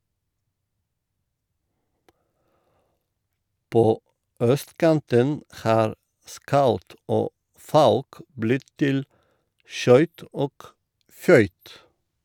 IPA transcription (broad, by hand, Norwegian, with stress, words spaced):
ˈpoː ˈœstˌkɑntən ˈhɑːɾ ˈskɑʉt ˈoː ˈfɑʉk ˈblɪt ˈtɪl ˈʃœʏt ˈoːk ˈfœʏt